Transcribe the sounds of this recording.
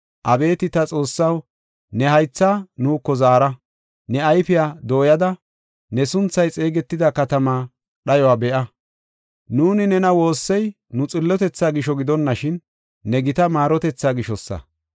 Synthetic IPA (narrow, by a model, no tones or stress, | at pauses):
ʔɐbe̞ːt̪ɪt̪ɐt͡sʼo̞ːsːɐw | nɛɦɐjt͡sːaːnuːkːɔzaːɾɐ | nɛɐjfɪjaːd̪o̞ːjɐd̪ɐ | nɛsʊnt͡sːɐjt͡sʼeːɡɛt̪ːɪd̪ɐkɐt̪ɐmaː | ɗɐjɔwaːbɛʔɐ | nuːnɪnɛnɐwo̞ːsːɛj | nʊt͡sʼɪlːɔt̪ɛt͡sːaːɡɪʃɔɡɪd̪ɔnːɐʃɪnː | ɛɡɪt̪ɐmaːɾɔt̪ɛt͡sːaːɡɪʃɔsːɐ̰